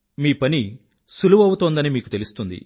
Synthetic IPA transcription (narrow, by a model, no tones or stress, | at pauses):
miːpɐni | suluʋɐwut̪oːnd̪ɐnimiːkut̪e̞lust̪und̪ḭ